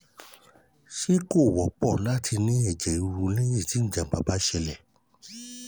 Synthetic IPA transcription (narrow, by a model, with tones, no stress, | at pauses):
ʃe˦ko˦˨wɔ˨pɔ˦˨la˦tʰi˧nĩ˦ɛ˨d͡ʒɛ˨i˧ɾu˧lɛ˦jĩ˦˨ti˨˦ñ̩˦˨d͡ʒã˧˨ba˨˧˨ba˨˦ʃɛ˧lɛ˦˨